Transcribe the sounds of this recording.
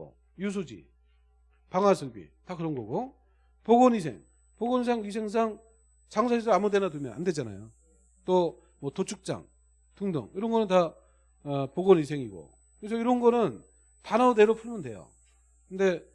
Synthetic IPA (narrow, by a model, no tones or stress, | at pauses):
o̰ | jus̬ʰud͡ʑḭ | paŋɦwasʰɯɭbḭtakɯɾʌnɡʌɡo | poɡonis̬ʰḛŋ | poɡonis̬ʰaŋis̬ʰe̞ŋs̬ʰaŋ | t͡ɕaŋsʰaɕʰisʌamudenadɯmjʌ̰na̰nde̞d͡ʑana̰jo | t͈o | mʌtot͡ɕʰuk̚t͡ɕ͈a̰ŋ | tɯŋdʌ̰ŋiɾʌnɡʌnɯnta | poɡonis̬ʰe̞ŋiɡo̰ | kɯɾes̬ʰʌiɾʌnɡʌnɯn | tanaodeɾopʰuɭmʌndwe̞̰jo̰ | kɯnde̞